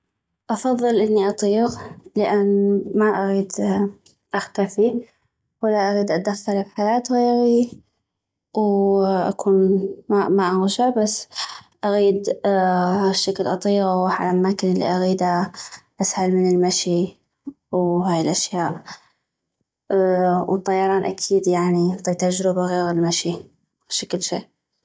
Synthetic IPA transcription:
ʔɑfɑðˤːɨlʔɪnːiʔɑt̪ˤiːɣləʔanːmaʔaɣiːd̪ | ʔaxt̪afi | walːaʔaɣiːd̪ʔad̪axːɑlfħajaːt̪ɣeːɾi | wʔa̰kʰuːnamaʔaɣʃabasːʔaɣiːd̪ | ʃːaklʔɑt̪ˤiːʔawħalamamaːkɪnɪlːḭʔaɣiːd̪aʔashalmɪnɪlmaʃi | wɦaːjɪlʔaʃjaːʔ | wt̪ˤːɑjːɑɾˤɑːnʔa̰kʰiːd̪jaʕnit̪ˤiːt̪ad͡ʒɾɪbaɣeːɣɪlmaʃi | ʃakɪlʃiːʔ

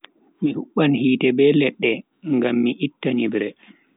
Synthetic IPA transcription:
mihuɓːanhiːtɛbɛlɛɗːɛ | ŋɡamːiʔitːanibɾɛ

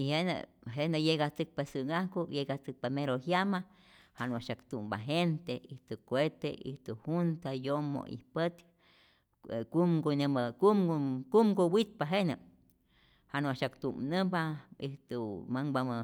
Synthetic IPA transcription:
ihenə̰ɦenajeɡat͡sɨk̚pasɨɡahkojeɡat͡sɨk̚pameɾoɦjama | hanaʃakt̪umba̰ɦent̪eiht̪ukʷet̪eiht̪uhunt̪ajomo̰ḭhpət̪ | kumɡonemkumkumɡowit̪̚paɦenə | hanaʃakt̪umnəbaiht̪umaŋbamə

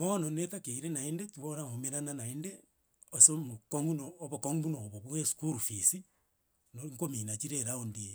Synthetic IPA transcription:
mononetakeiɾenaendetuoɾamomeɾananaende | osomukoŋɡunoːβokoŋbunoβoβueskuɾufisi | noŋkominat͡ʃiɾeɾaondie

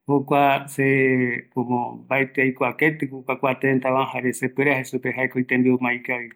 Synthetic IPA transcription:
hokʷasepõmõbaet̪eajkʷaket̪ɨkukʷakʷat̪ent̪aβãhaɾesepweɾeahesupeɦaekoit̪ẽmbiomãjkaβi

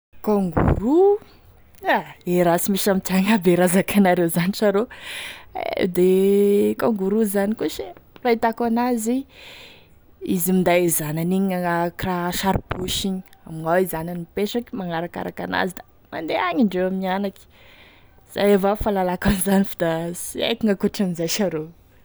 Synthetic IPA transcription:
kaŋɡṵɾu | aeɾasimisamit̪aŋabeɾazakʰanaɾewzaniʈ͡ʂaɾo | ḛd̪ekoŋɡuɾuzanikuʃirait̪akanazi | izimind̪aizananiɲiaakraʃaɾbuʃiɲi̥amiŋawizananipeʈ͡ʂakimaŋaɾaka̰ɾaka̰na̰zid̪a | mand̪eaɲiɳɖ͡ʐewaminianaki̥ | z̥a̰jevafalalakanizanifid̪asiḛkiŋakuʈ͡ʂanizajʃaɾo

